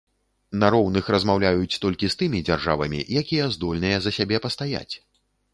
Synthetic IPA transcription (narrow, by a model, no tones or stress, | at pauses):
naɾɔwnɨxrɐzmawlʲajut͡sʲt̪ɔlʲkʲist̪ɨmʲid͡zʲarʐa̰vɐmʲḭjakʲijɐzd̪ɔlʲnɨjɛzɐsʲabʲɛpɐst̪aja̰t͡sʲ